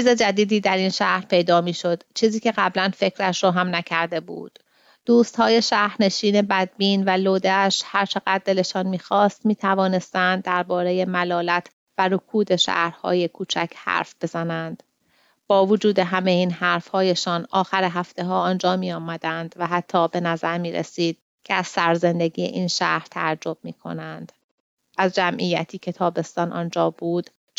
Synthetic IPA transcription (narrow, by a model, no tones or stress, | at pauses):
iːze̞d͡ʒæd̪iːd̪iːd̪æɾinʃæhɾpʰe̞jd̪ɒːmiːʃo̞d̪̥t͡ʃʰiːziːcʰe̞ɣæblænfe̞cʰɾæʃɾoːɦæmnæcʰæɾd̪e̞bṵːd̪̥ː | uːst̪hɒːje̞ʃæɾne̞ʃiːne̞bæd̪̚biːnvæloːd̪eæʃhæɾt͡ʃʰe̞ɣæd̪̚ːe̞le̞ʃɒːnmiːxɒːst̪miːt̪ʰævɒːne̞st̪ænd̪ːæɾbɒːɾe̞je̞mælɒːlæt̪ʰ | væɾokʰuːd̪e̞ʃæ̰hɾhɒ̰ːje̞kʰuːt͡ʃʰæ̰cʰhæ̰ːɾfb̥e̞zænænd̪̥ | b̥ɒːvod͡ʒuːd̪e̞ɦæmejiːnhæɾfhɒːjeʃɒːnɒːxæɾeɦæft̪e̞ɦɒːɒnd͡ʒɒːmiːjɒːmæd̪ænd̪væɦæt̪ʰːɒːbe̞næzæɾmiːɾḛsiːd̪̥̚ | cʰeæz̥sæɾze̞nd̪e̞ɟiːjḛʔiːnʃæ̰hɾ̥t̪ʰææd͡ʒːo̞b̥̚miːkʰo̞̰nænd̪̥ | æzd͡ʒæmʔijæt̪ʰiːcʰe̞t̪ʰɒːbe̞st̪ɒːnʔɒ̰nd͡ʒɒːbuːd̪̥